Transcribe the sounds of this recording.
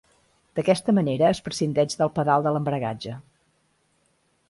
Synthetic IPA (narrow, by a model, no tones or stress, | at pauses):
d̪̥əkɛst̪əməneɾəːspɾəsind̪ɛʒðəlˠpəðalˠd̪ələmbɾəɣa̰d͡ʒə